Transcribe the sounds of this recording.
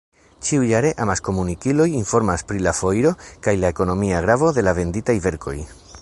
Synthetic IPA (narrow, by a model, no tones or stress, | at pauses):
t͡ʃiujaɾe̞ʔamasko̞munikilo̞jinfo̞ɾmaspɾilafo̞jɾo̞kajlaeko̞no̞miaɡɾavo̞ðe̞lave̞nditajve̞ɾkʰo̞̰j